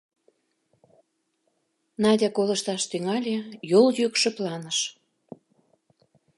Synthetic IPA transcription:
nɑdʲɑkolə̆ʃt̪ɑʃt̪yŋɑlʲejoljykʃə̆plɑnəʃ

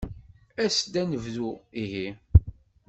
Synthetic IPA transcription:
æsd̪ænəvðuiɦi

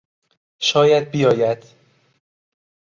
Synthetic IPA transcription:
ʃɒːjæd̪̚bijɒːjæd̪̥

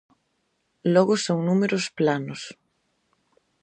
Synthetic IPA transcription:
lɔɣʊsoŋnumeɾosplanʊs

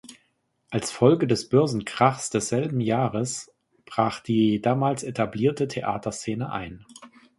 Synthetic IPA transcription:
ʔalsfɔlɡədɛsb̥œɐzn̩kʁ̥aχsd̥ɛsz̥ɛlbm̩jaːʁəs | b̥ʁaːχd̥iːdaːmaːlsetʰabliːɐtətʰeʔa̰ːtɐst͡seːnəʔa̰ɪn

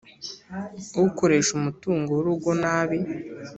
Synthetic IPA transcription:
uukoɾe̞ːʃumutuːŋɡoɾuɡonaːβi

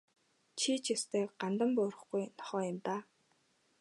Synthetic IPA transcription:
t͡ɕʰit͡ɕʰist̪ʰeːɢant̪ə̆mpʊːɾə̆χɡujnɔ̥χɔːjʊ̆mt̪aː

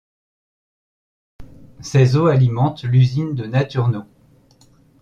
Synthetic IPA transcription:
sɛzoalimɑ̃t̪lyzind̪ənat̪yʁno

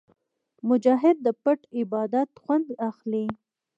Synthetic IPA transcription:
mʊd͡ʒɑɦɪd̪̚ːəpəʈɪbɑd̪at̪xwand̪axli

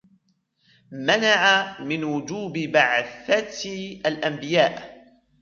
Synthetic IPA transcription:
manaʕamɪnwʊd͡ʒuːbɪbaʕθat̪ʔalʔambɪjaːʔ

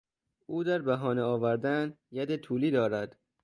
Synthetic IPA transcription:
ʔuːd̪æɾbæɦɒːneɒːvæɾd̪æn | jæd̪et̪ʰuːliːd̪ɒːɾæd̪̥

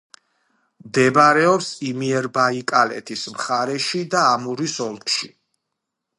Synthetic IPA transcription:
md̪ɛbaɾɛɔpsimiɛɾbaikʼalɛ̰t̪ʰismχaɾɛʃid̪aːmuɾisɔlˠkʰʼʃi

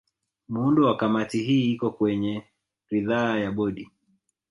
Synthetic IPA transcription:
muundɔwakamatiɦiːikɔkwɛɲɛ | ɾiðaːjaɓɔɗi

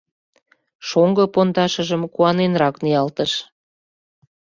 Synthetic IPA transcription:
ʃoŋɡɤpond̪ɑʃəʒəmkuɑnenɾɑknijɑlt̪əʃ

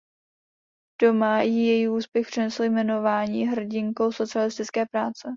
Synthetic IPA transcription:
d̥o̞majɪjɛjiuːspjɛxpr̥ɪnɛsl̩jmɛno̞vaːɲiːɦr̩ɟɪŋko̞wso̞t͡sɪalɪst̪ɪt͡skɛːpɾaːt͡sɛ

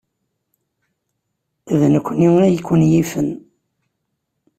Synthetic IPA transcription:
ðnəkʷːəniwənæjəkʷːənjifən

